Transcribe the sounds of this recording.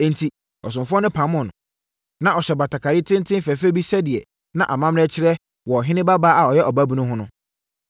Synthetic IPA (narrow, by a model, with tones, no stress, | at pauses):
ɛ̃˨ntʰi˨ | ɔ˨s̬ʊ̃˨mfʊ˦ɔ˦nʊ̃˦pʰã˨˦mʊ̃˨nʊ̃˨ | nã˦˨ɔ˨ɕɛ˨ba˨tʰa˨kʰa˨ɾi˦tʰɪ̃˦n˦tʰɪ̃˦n˦fæ˨fɛ˦bi˦sɛ˦dɪ˨ɛ˨ | nã˨ʔa˨mã˦m˦ɛ˦t͡ɕʰɪ˦ɾɛ˦ | wɔ˨ɔ˨ɦɪ̃˦nɪ̃˦ba˦baː˦a˨ɔ˨jɛ˦ʔɔ˨ba˦bi˨˦nʊ̃˦ɦʊ̃˦nʊ̃˦